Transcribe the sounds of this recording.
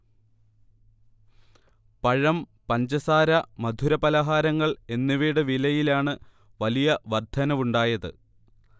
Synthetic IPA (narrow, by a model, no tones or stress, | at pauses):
pɐɻɐm | pɐnd͡ʑɐsaːɾɐmɐd̪ʱuɾɐpɐlɐɦaːɾɐŋːɐɭe̞nːuʋiːɽɨʋilɐjilaːɳɨ | ʋɐlijɐʋɐrd̪ʰʱɐnɐʋuɳɖaːjɐðɨ̰